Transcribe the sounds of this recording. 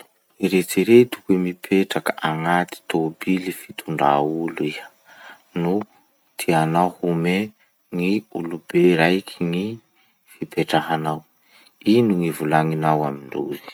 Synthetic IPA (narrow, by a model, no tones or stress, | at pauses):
iɾet͡siɾet̪u̥kemipʰeʈ͡ʂakəʔaŋat̪i̥t̪obilifi̥t̪ʰuɳɖ͡ʐa̰ului | nu | t̪ʰianahume | ŋiulubeɾajkʰiŋi | fipeʈ͡ʂaɦanaw | inuŋivulaŋinawamiɳɖ͡ʐuzi̥